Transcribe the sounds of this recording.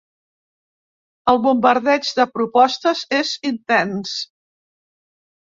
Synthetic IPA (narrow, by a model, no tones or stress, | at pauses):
əlˠβumbəɾðɛd͡ʒðəpɾupɔst̪əzezint̪ɛns